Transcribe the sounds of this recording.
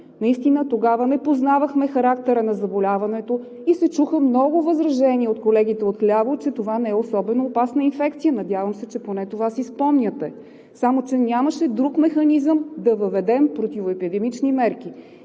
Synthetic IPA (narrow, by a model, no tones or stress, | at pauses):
nɐist̪inət̪oɡavənɛpoznavəxmɛxɐɾak̚t̪ɛɾənɐzɐbolʲavɐnɛt̪o | isɛt͡ʃuxəmnɔɡʊvəzɾɐʒɛniəot̪kolɛɡ̟it̪ɛot̪lʲavot͡ʃɛt̪ovanɛɛosɔbɛnoːpasnəinfɛkt̪sijənɐd̪ʲjavəmsɛt͡ʃɛponɛt̪ovasispɔmnʲət̪ɛ | samot͡ʃɛnʲaməʃɛd̪ɾukmɛxɐnizəmd̪ɐvɐvɛd̪ɛmpɾot̪ʲivoɛpid̪ɛmit͡ʃnimɛɾk̟i